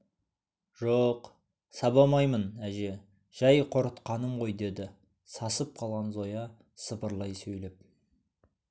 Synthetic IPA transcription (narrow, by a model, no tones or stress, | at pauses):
ʒ̥oq | sɑbɑmɑjmənæʒe̞ | ʒ̥æjqʰo̞ɾət̪qɑnəmʁo̞jd̪e̞d̪ɪ | sɑsəp̚qʰɑlˠʁɑnzo̞jɑ | səpəɾlˠɑjsɵjlep̚